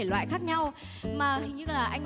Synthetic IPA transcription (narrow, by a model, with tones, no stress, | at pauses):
e˧˩lwa̰ː˧˨jxaː˦˥k̚ɲa˧w | maː˨˩˨ɲɨ̰˧˥laː˨˩ʔa˧jŋ̟